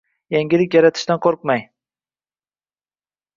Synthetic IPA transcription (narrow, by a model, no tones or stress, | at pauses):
jaŋʲɪlɪkʲjaɾat̪ʰɪ̥ʃt̪anqʰoɾq̚maj